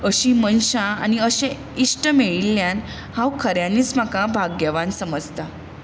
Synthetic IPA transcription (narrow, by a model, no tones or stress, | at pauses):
əɕiːmənɕãaniəɕẽ | isʈəmeɭilːjãn | hãwkʰəɾjãnːiːt͡sm̤akãbʱaɡjəʋãnsəməd͡zt̪a